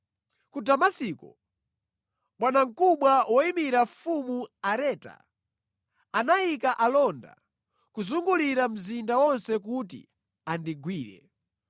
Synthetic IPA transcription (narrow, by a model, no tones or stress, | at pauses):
kutamasikɔ | mwanaŋ̩kuɓwawɔimiɾafumuaɾɛːta̰ | anajikaʔalɔnda̰ | kuzuŋɡuliɾam̩zindawɔnsɛk̬utḭ | andiɡwiːɾɛ̰